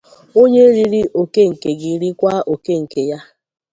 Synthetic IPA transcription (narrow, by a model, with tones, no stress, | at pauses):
o˦ɲe˦ɾi˦ɾi˦ʔo˨ke˦ŋ̩˨ke˨ɡi˨ɾi˦kʷa˦ʔo˨ke˦ŋ̩˨ke˨ja˦